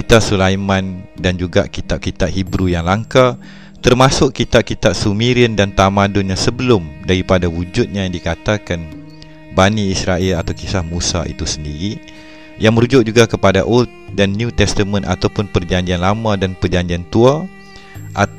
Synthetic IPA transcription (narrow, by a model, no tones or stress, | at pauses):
kit̪asulajmãndand͡ʒuɡa̰ʔkit̪ap̚kit̪aʔhibɾujaŋlaŋka | t̪ərmasʊkkit̪ap̚kit̪aʔ̚sumiɾiəndant̪amadʊnɲãsəbəlʊmdaɾipadawud͡ʒʊt̪̚ɲajaŋdikat̪akan | baniːsɾaɪlat̪awkisahmusa̰ʔḭt̪usəndiɾi | jaŋməɾud͡ʒʊʔ̚d͡ʒuɡakəpada̰ʔut̪̚danːjut̪ɛst̪əmə̃nʔa̰t̪awpʊnpərd͡ʒaɲd͡ʒianlamãdanpərd͡ʒaɲd͡ʒiant̪ua | ʔa